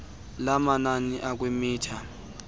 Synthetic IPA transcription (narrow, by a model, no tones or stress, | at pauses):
lamananiʔak̬ʼwemiːtʰa